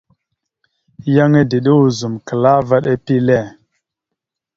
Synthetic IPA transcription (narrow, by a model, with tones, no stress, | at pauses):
ja˦ŋe˦di˨ɗi˦wu˨zu˨mkə˨la˦va˦ɗe˦pi˦le˦˨